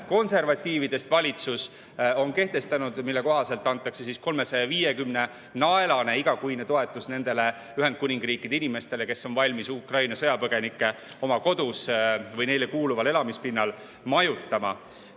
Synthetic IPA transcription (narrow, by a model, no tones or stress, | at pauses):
ko̞nse̞rvɑt̪ʲːiːvid̪e̞st̪vɑlʲit̪sus | o̞nke̞ht̪e̞st̪ɑnud̪̥milːe̞ko̞ɦɑse̞lt̪ːˑɑnt̪ːˑɑkse̞sisko̞lme̞sɑjɑviːje̞kymne̞ | nɑelɑne̞iɡ̥ɑkujnet̪o̞e̞t̪ːˑusne̞nd̪e̞le̞ | yɦend̪̥̚kunʲiŋɡ̥riːkːˑid̪̥einime̞st̪e̞le̞ke̞sːo̞nvɑlʲmisukrɑjnɑsɤ̞jɑpɤɡ̥e̞nikːˑe̞o̞mɑko̞d̪usvɤjne̞jle̞kuːluvɑle̞lɑmispinːɑl | mɑjut̪ːˑɑmɑ̰